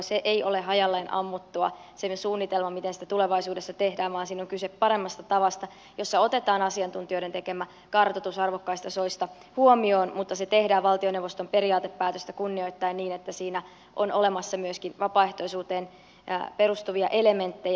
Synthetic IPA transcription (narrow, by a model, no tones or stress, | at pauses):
seʔeio̞leɦɑjɑlːeːnʔɑ̰mːut̪ːuɑ̰sesuːnːit̪elmɑmit̪ensi̥t̪æt̪uleʋɑisuːdesːɑt̪ehdæːʋʋɑːnsiːnoŋkysepːɑɾemːɑst̪ɑt̪ɑʋɑst̪ɑ | jo̞sːɑo̞t̪et̪ɑːnɑsiɑnt̪unt̪io̞iɾet̪ekemæ | kɑrt̪ot̪usɑrʋokːɑist̪ɑsoist̪ɑ | huomioːnmut̪ːɑset̪ehdæːʋʋɑlt̪ioneʋost̪ompe̞ɾiɑːt̪epːæːt̪øst̪ækunːio̞it̪ːɑinniːnet̪ːæsiːnæ | ʔonole̞mɑsːɑmyøskinʋɑpɑːeht̪oisuːt̪eːn̰ | pe̞rust̪uʋiɑʔele̞ment̪ːej